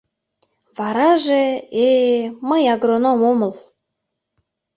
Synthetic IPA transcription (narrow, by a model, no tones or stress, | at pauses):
βɑɾɑʒeeməjɑɣɾonomomə̆l